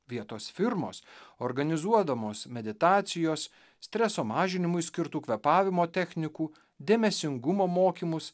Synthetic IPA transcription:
ʋʲiɛt̪oːsfʲɪɾmo̰ːsoɾɡɐnʲɪzuɔd̪ɐmoːsmʲɛd̪ʲɪt̪ɑːt̪sʲɪjoːs | sʲt̪ʲɾʲɛsoːmɑːʒʲɪnʲɪmʊɪsʲkʲɪɾt̪uːkʋʲɛpɑːʋʲɪmoːt̪ʲɛxʲnʲɪkuː | d̪ʲeːmʲɛsʲɪŋɡʊmoːmoːkʲiːmʊs

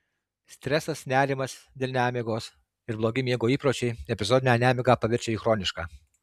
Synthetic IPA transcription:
sʲt̪ʲɾʲɛsɐsnʲæːɾʲɪmɐsd̪ʲeːlʲnʲæːmʲiɡoːs | ɪɾblˠoːɡʲɪmʲiɛɡoːiːpɾoːt͡ʃʲɛɪɛpʲɪzoːd̪ʲɪnʲænʲæːmʲɪɡɑːpɐʋʲɪɾʲt͡ʃʲɛiːxɾoːnʲɪʃkaː

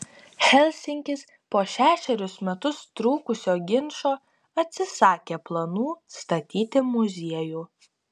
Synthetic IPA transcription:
xʲɛlʲsʲɪŋʲkʲɪs | poːʃʲæːʃʲɛɾʲʊsmʲɛt̪ʊst̪ɾuːkʊsʲoːɡʲɪnʃoː | ɐt̪ʲsʲɪsɑːkʲeːplˠɐnuːst̪ɐt̪ʲiːt̪ʲɪmʊzʲiɛjuː

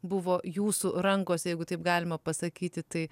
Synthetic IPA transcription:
bʊʋoːjuːsuɾɐŋkoːsjɛɪɡʊt̪ɐɪp̚ɡɑːlʲɪmɐpɐsɐkʲiːt̪ʲɪt̪ɐɪ

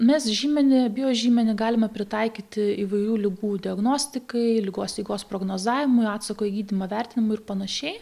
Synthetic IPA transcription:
mʲɛsʒʲiːmʲɛnʲɪbʲɪjoːʒʲiːmʲɛnʲɪɡɑːlʲɪmɐpʲɾʲɪt̪ɐɪkʲiːt̪ʲɪiːʋɐɪɾʲuːlʲɪɡuːd̪ʲɪɐɡnoːsʲt̪ʲɪkɐɪlʲɪɡoːslʲɪɡoːspɾoːɡnoːzɑːʋʲɪmʊɪɑːt̪sɐkoːjɪɡʲiːd̪ʲimɐʋʲɛɾʲt̪ʲɪnʲɪmʊɪɪɾpɐnɐʃʲɛɪ

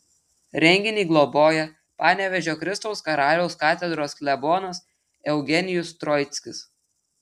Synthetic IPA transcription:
ɾʲɛŋʲɡʲɪnʲiːɡlˠoboːjɛ | pɑːnʲɛʋʲɛʒʲoːkɾʲɪst̪ɔʊskɐɾɑːlʲɛʊskɑːt̪ʲɛd̪ɾoːskʲlʲɛboːnɐs | ɛʊɡʲɛnʲɪjʊst̪ɾɔɪt̪sʲkʲɪs

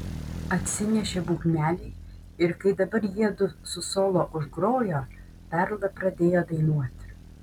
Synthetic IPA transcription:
ɐt̪ʲsʲɪnʲɛʃʲebuːkmʲæːlʲɛɪ | ɪɾkɐɪd̪ɐbɐɾjiɛd̪ʊsʊsoːlˠoːʔʊʒɡɾoːjoː | pʲɛɾlˠɐpɾɐd̪ʲeːjoːd̪ɐɪnuɔt̪ʲ

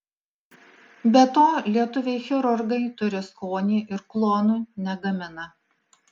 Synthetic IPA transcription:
bʲɛt̪oːlʲiɛt̪ʊʋʲɛɪxʲɛɾʊɾɡɐɪt̪ʊɾʲɪskoːnʲiːʔɪɾklˠoːnunʲɛɡɐmʲɪnɐ

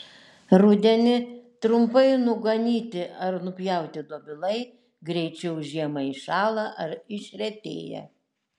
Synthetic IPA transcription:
ɾʊd̪ʲɛnʲɪt̪ɾʊmpɐɪnʊɡɐnʲiːt̪ʲɪʔɐɾnʊpʲjɛˑʊt̪ʲɪd̪oɔbʲɪlˠɐɪ | ɡɾʲɛɪt͡ʃʲɛʊʒʲiɛmɐiʃɑːlˠɐʔɐɾɪʃʲɾʲɛt̪ʲḛːjɛ̰

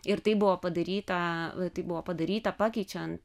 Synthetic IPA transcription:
ɪɾt̪ɐɪbʊʋoːpɐd̪ɐɾʲiːt̪ɐt̪ɐɪbʊʋoːpɐd̪ɐɾʲiːt̪ɐpɑːkʲɛɪt͡ʃʲɛnt̪

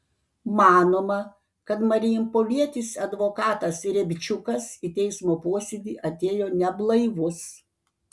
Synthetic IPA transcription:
mɑːnoːmɐ | kɐt̪mɐɾʲɪjɪmpoːʋʲiɛt̪ʲisɐd̪ʋoːkɑːt̪ɐsɾʲɛbʲt͡ʃʲʊkɐsiːt̪ʲɛɪsmoːpoɔsʲed̪ʲiːʔɐt̪ʲeːjoːnʲɛblˠɐɪʋʊs

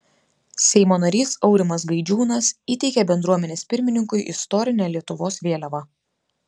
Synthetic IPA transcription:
sʲɛɪmoːnɐɾʲiːsɒʊɾʲɪmɐs̬ɡɐɪd͡ʒʲuːnɐsiːt̪ʲɛɪkʲɛbʲɛnd̪ɾuɔmʲɛnʲeːspʲɪɾʲmʲɪnʲɪŋkʊɪʔɪ̰st̪ɔɾʲɪnʲɛlʲiɛt̪ʊʋoːsʋʲeːlʲɛʋɑ

